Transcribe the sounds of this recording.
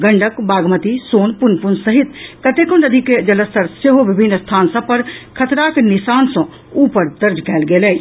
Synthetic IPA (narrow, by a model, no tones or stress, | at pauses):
ɡɐ̃ɳɖʱəkbaːɡmət̪isoːnpʊnpʊnsɐɦɪt̪kɐt̪ekõəd̪ʱiked͡ʒɐləst̪ʰəɾseɦobɪbʱɪnːst̪ʰaːnsɐ̃pɐɾkʰɐt̪ɾaːknɪsaːnsõ | uːpəɾd̪ɐɾd͡ʒkɛːlɡeːlɛː